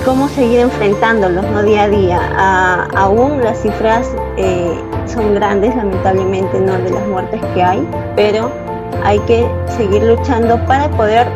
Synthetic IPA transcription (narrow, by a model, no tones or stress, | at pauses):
ko̞mo̞se̞ɣiɾe̞ɱfɾe̞nt̪and̪o̞lo̞zno̞ðiaðia̰aauŋlasːifɾas | e | so̞ŋɡɾand̪e̞slame̞nt̪aβle̞mẽnt̪e̞no̞ðelazmwe̞ɾt̪e̞ske̞aj | peɾo̞ | a̰jke̞se̞ɣiɾlut͡ʃand̪o̞paɾapo̞ðeɾ